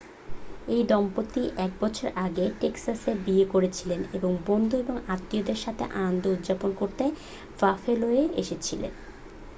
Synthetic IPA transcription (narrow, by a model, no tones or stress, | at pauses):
ejd̪ɔmpot̪ːiʔɛk̚bɔt͡ɕʰoɾʔaɡeʈeksasebiekoɾet͡ɕʰileneboŋbond̪ʱueboŋat̪ːiod̪eɾʃat̪ʰḛʔa̰nond̪ʱoud̪d͡ʑaponkoɾt̪e | vafeloeeʔeʃet͡ɕʰilḛn